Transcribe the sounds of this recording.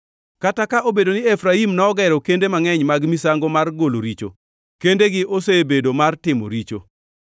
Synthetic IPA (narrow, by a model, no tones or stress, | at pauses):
katakaʔobedonɪefɾaimnɔɔɡɛɾɔkendemaŋɛɲmaɡmisaŋɡomarɡolo̰ɾit͡ʃo̰ | kendeɡɪʔosebedomartɪmɔ̰ɾit͡ʃo̰